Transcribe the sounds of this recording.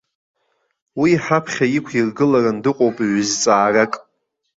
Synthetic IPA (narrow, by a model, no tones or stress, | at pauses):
wiːħapʰχʲaikʷʰirɡɨlarandɨqʷʼowpʼiʕʷʏzt͡sʼaːrakʼ